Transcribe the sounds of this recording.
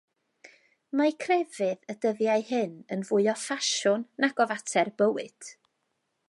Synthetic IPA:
makʰrɛvɨðədəðjaɨhɨnənvʊɨɔfaʃʊnːaɡɔvatʰɛrbəwɨd̥

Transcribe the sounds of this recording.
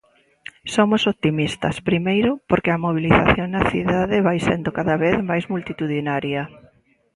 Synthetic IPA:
somʊsot̪imist̪ɐ̰spɾimejɾʊpoɾkɪɐmoβ̞iliθaθjoŋnɐθiðaðɪβajsend̪ʊkaðɐβeθmajzmult̪it̪uðinaɾjɐ

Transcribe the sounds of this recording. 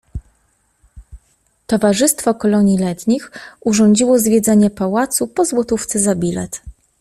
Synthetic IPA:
t̪ɔvaʐɘst̪fɔkɔlɔɲilɛt̪ɲixʔuʐɔɲd͡ʑiwɔzvʲjɛd̪zɛɲɛpawat̪supɔzwɔt̪uft̪sɛzabʲilɛ̰t̪

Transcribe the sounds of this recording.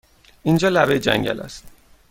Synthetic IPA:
ʔind͡ʒɒːlævejd͡ʒæ̰ŋɟæ̰læ̰st̪

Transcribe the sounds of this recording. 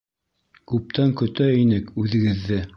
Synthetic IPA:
kʉp̚t̪æŋkɵ̆t̪æinɘkʉðɘ̆ɡɘ̆ðːɘ

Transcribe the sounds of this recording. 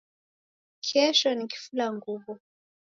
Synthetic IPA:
kʰɛʃɔniki̥fulaŋɡuβu

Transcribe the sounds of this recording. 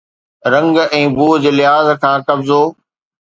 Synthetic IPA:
ɾɐ̃ŋɡɛ̃ːbuːd͡ʑeːlɪɦaːzkʰãːkɐbzoː

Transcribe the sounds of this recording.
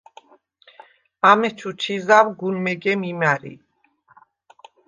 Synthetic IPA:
amɛt͡ʃʰut͡ʃʰizawɡunmɛɡɛmimaɾḭ

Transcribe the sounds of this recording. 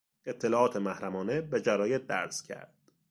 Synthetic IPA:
e̞t̪ʰːelɒːɒːt̪ʰe̞mæhɾæmɒːnebed͡ʒæɾɒːjet̪̚d̪æ̰ɾzcʰæ̰ɾd̪̥

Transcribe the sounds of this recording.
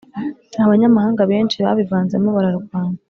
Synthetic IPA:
ahaβaɲamahaːŋɡaβeːnt͡ʃiβa̰βivaːnzemoβaɾaɾuɡwaːnda

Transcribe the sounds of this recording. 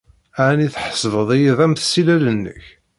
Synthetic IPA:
aʕniθħə̥sˤvəðˤijiðˤæmθəsilælənːə̰ç

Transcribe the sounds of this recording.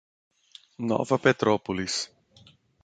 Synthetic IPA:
nɔ̰vɐpet̪ɾɔpulis

